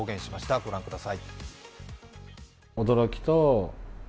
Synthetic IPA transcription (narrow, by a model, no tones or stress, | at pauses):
oːɡẽ̞ɕimaɕi̥t̪aɡo̞ɾãŋkɯ̟d̪asai | od̪o̞ɾo̞kʲi̥t̪o